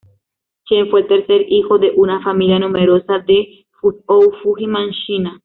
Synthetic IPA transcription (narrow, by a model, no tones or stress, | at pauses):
kjenfwelt̪eɾseɾixoðeʔunafamiljanumeɾosad̪e | fuowfuximãnʃina